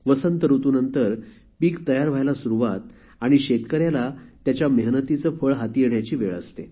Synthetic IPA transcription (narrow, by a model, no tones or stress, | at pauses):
ʋəsənt̪əɾut̪uːnənt̪əɾ | piːkt̪əjaɾʋ̤ʱajlasuɾuʋat̪̚ | aɽ̃iɕet̪kəɾjalat̪jat͡ɕjaməɦnət̪it͡səfəɭɦat̪ieɳjat͡ɕiːʋeɭə̰st̪e